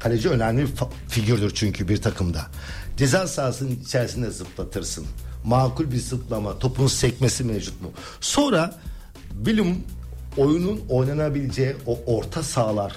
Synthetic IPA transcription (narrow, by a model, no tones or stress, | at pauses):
kʰalʲed͡ʒiø̞næmlʲif | fiɟiɾd̪yɾt͡ʃʰyɲcʰybiɾt̪ʰakʰɯmd̪a | d̪̥ezansaːsɯnɯnit͡ʃʰɛɾsind̪ɛzɯplˠat̪ʰɯɾsɯnmaːkulʲbiɾzɯplˠamat̪ʰo̞pʰunsɛc̚mesimevd͡ʒut̪̚mu | so̞nɾa | bilʲimo̞jununo̞jnanabilʲed͡ʒejiooɾt̪ʰasaːlˠaɾ̥